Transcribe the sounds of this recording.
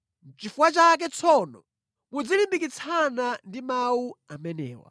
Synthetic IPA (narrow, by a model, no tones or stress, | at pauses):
t͡ʃifuwat͡ʃak̬ɛt͡sʰɔnɔ | kud͡zilimbikit͡sʰanandimawuamɛnɛːwa̰